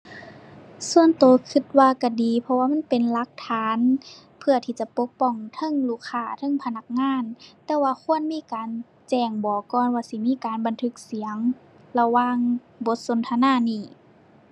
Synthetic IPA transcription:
su˧˨ənt̪oː˨˦kʰɯ˧t̪̚waː˧ka˧˩diː˨pʰɔ˧waː˧˨ma˧˥˨npe˨nla˧˦k̚t̪ʰaː˨˧˦n | pʰɯ˧ɐt̪ʰiː˧˩t͡ɕa˧˦po˧˦˥k̚pɔ˧˩ŋt̪ʰɤ˧˥˨ŋluː˧˩kʰaː˧˩˨t̪ʰɤ˧˥˨ŋpʰa˧na˧˥k̚ŋaː˧˥˨nt̪ɛː˧waː˧kʰu˧˥˨ənmiː˧˥˨kaː˨n | t͡ɕɛː˧˩ŋbɔː˨˩kɔː˧˨nwaː˧si˧˦miː˧˥˨kaː˨nba˨nt̪ʰɯ˧˥k̚si˨˦əŋ | la˧waː˧˥ŋ | bo˧˦t̪̚so˨˦nt̪ʰa˧˨naː˧˥˨niː˧˩

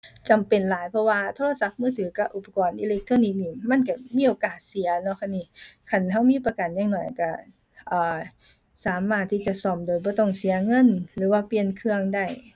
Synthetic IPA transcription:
t͡ɕa˨˩mpe˨˩nlaː˨˦jpʰɔ˧waː˧t̪ʰoː˧la˧sa˧˦p̚mɯː˧˩t̪ʰɯː˨˩˦ka˧˩ʔu˨˧˩pa˨˧˩kɔː˨˩nʔiː˧le˧˦k̚t̪ʰoː˧˥ni˧˩k̚niː˧˩ma˧˥˨nka˧˩miː˧˥˨ʔoː˨˩kaː˨˩t̪̚si˩˦ɐnɔ˧˥˨kʰa˧˥˨nːiː˧˨kʰa˧˩nɦa˧˩wmiː˧˥˨pa˧ka˨˩njaː˧˥ŋnɔ˨˩jka˧˩ | ʔɤː˨˩ | saː˨˦maː˧˩t̪ʰːiː˧˩t͡ɕa˧˨sɔ˧˩mdoː˨jbɔː˧˦t̪ɔ˧˩ŋsi˨˩˦ɐŋɤ˧˥˨nlɯː˨˦waː˧˩pli˧ənkʰɯ˧əŋda˧˩j

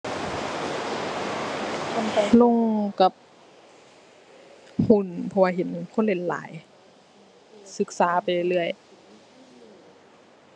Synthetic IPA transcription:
lo˧˥˨ŋka˧˦p̚ | hu˧˩npʰɔ˧waː˧ɦe˨˦nkʰo˧˥˨nle˧˩nla̰ː˨˩˦j | sɯ˧˦k̚saː˨˩˦pa˨˩jle˧˩˧lɯ˧˩əj

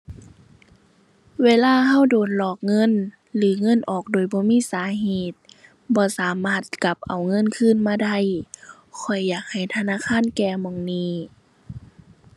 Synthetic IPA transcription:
weː˧˥˨laː˧˥˨ɦa˧˥˨wdoː˨˩nlɔː˨˩k̚ŋɤ˧˥˨n | lɯː˨˦ŋɤ˧˥˨nʔɔː˨˩k̚doː˨jbɔː˧˦miː˧˥˨saː˨˦ɦeː˨˩t̪̚ | bɔː˧˦saː˨˦maː˧˩t̪̚ka˧˦p̚ʔa˨˩wŋɤ˧˥˨nkʰɯː˧˥˨nmaː˧˥˨da˧˥˨j | kʰɔ˨˩jːaː˨˩k̚ha˨˩jt̪ʰa˧naː˧˥˨kʰaː˧˥˨nkɛː˧˩mɔː˧˩ŋniː˧˩

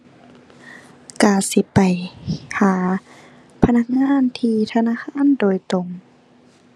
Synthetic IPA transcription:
kaː˧˩si˧˦pa˨˩jhaː˨˦ | pʰa˧na˧˨k̚ŋaː˧˥˨nt̪ʰiː˧t̪ʰa˧naː˧˥˨xʰaː˧˥˨ndoː˨˩jt̪o˨˩ŋ

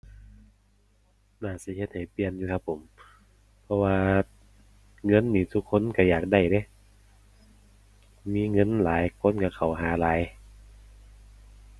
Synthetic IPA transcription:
naː˧˩si˧˦he˧t̪̚ha˨˩jpi˧ənjuː˧kʰa˧pʰːo˨˦m | pʰɔ˧waː˧ | ŋɤ˧˥˨nːiː˧˩t̪ʰu˧kʰːo˧˥˨nka˧˩jaː˨˩k̚da˧˩jde˧˦˨ | miː˧˥˨ŋɤ˧˥˨nlaː˨˦jkʰo˧˥˨nka˧˩kʰa˨˩wɦaː˨˦laː˨˦j

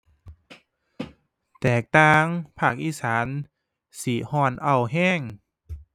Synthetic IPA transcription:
t̪ɛː˨˩k̚t̪aː˧˩ŋpʰaː˧˩k̚ʔiː˧˨saː˩˦n | si˨˦hɔː˧˩nʔa˧˩wɦɛː˥˩˨ŋ

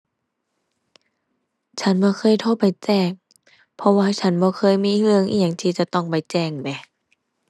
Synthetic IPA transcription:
t͡ɕʰa˧˥nbɔː˧˦kʰɤː˧˥˨jt̪ʰoː˧˥˨pa˨jt͡ɕɛː˧˩ŋ̚ | pʰɔ˧waː˧t͡ɕʰa˧˥nbɔː˧˦xʰɤː˧˥˨jmiː˧˥˨hɯ˧əŋʔḭ˧˩ɲa˧˩ŋt̪ʰiː˧˩t͡ɕa˧˦t̪ɔ˧˩ŋpa˨jt͡ɕɛː˧˩ŋbɛ˧˩

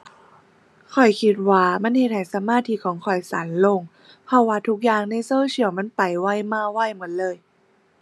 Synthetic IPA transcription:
kʰɔ˨˩jkʰi˧t̪̚waː˧ma˧˥˨nhe˧t̚ha˧˩jsa˧˨˦maː˧˥˨t̪ʰi˧˥kʰɔː˨˦ŋkʰɔ˨˩jsa̰ː˨˦nlo˧˩˨ŋ | pʰɔ˧˥waː˧t̪ʰu˧˦˥k̚jaː˧ŋna˧˥˨jsoː˧˥˨t͡ɕʰi˧˦əwma˧˥˨npa˨˩jwa˧˩˨jmaː˧˩wa˧˥˩jmɯ˩˦ənlɤː˧˨j

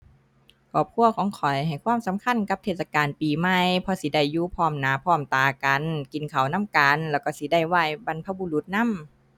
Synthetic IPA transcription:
kʰɔː˨˩p̚kʰu˧˥˨ɐkʰɔː˨˦ŋkʰɔ˨˩jɦa˨˩jkʰwaː˧˥˨msa˨˧˦mkʰa˧˥˨nka˧˥p̚t̪ʰeː˧˩t̪̚sa˧kaː˨npiː˨˩ma˧˩˨jpʰɔ˧si˧˦da˧˩jːuː˧˨pʰɔː˧˩mnaː˨˦pʰɔː˧˩mt̪aː˨˩ka˨nki˨˦nkʰa˨˩wna˧˥˨mka˨nlɛː˧˩wkɔː˧˩si˧˦da˧˩jwaː˧˥˩jba˧˨npʰa˧˩bu˧˨lu˧˦t̪̚na˧˥˨m

